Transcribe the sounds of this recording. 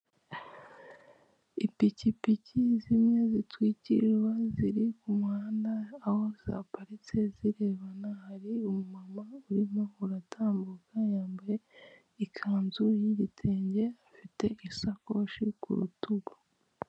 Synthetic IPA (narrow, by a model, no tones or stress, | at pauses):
ipicipicizimɲe̞zitwiːcḭʒwaziɾikumuhaːndaːho̞za̰paɾit͡seziɾe̞ːβanahaɾiumumamauɾimouɾatʰaːmbukʰajaːmbaɾe | ikʰaːnzujiɟitʰe̞ːɲɟe̞afite̞ʔisako̞ʃikṵɾṵtuɡo